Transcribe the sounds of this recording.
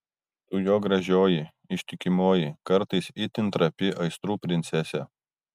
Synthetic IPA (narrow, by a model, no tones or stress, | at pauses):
suːjoːɡɾɐʒʲoːjɪ | ɪʃʲt̪ʲɪkʲɪmoːjɪkɐɾt̪ɐɪsit̪ʲɪnt̪ɾɐpʲɪʔɐɪst̪ɾuːpʲɾʲɪnʲt̪sʲɛsʲɛ